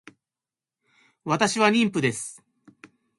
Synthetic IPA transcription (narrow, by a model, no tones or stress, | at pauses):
βat̪aɕiβaɾʲĩmpɯ̟d̪e̞sɨ̥